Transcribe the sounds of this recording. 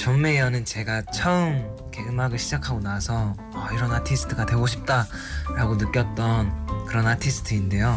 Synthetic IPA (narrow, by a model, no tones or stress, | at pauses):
t͡ɕʌnme̞jʌnɯnt͡ɕe̞ɡat͡ɕʰʌɯm | ke̞ɡɯmaɡɯɭɕʰid͡ʑakʰaɡonasʰʌ | ʌiɾʌnatʰisʰɯ̥tʰɯɡatwe̞ɡoɕ̬ʰip̚t͈a | ɾaɡonɯk͈jʌt̚t͈ʌnkɯɾʌnatʰisʰɯ̥tʰɯinde̞jo